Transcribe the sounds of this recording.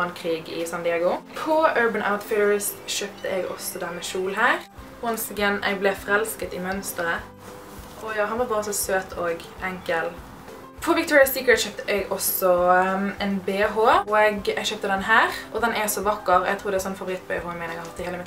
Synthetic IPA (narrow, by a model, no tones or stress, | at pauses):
ɑnkʰʁiːɡɪ̰sɑnd̪ɪɑːɡʊpʰɔøːɹbəna̰ʊt̪fɪɹɪst̪ʃøːp̚t̪əɛɡɔ̰sːɔd̪æːɾmɛʃuːlɦæːʁ | ɔnsɪɡənʔɛ̰ɡ̚blɛfʁɛlskət̪ɪmœnst̪əɾə | ʔɔjɑːɦɑnʋɑʁbɑːʁəsɔsøːt̪ʰoːɡʔɛŋkəl | pʰɔʋɪkt̪ʰɔːɹɪɑspiːkəɹʃøːp̚t̪əʔɛɡɔsɔɛnbeːɦoːɔɛɡɛɡʃøːp̚t̪əd̪ɛnɦæːʁʔɔd̪ɛnɛsɔʋɑkːəʁʔɛ̰ɡt̪ʰuːɾd̪ɛsɔnfɑʋʊɾɪt̪̚ːbɛ̰ːhoːɪmɛnɛɡɑhɑt̪ːɪheːləmɪt̪ː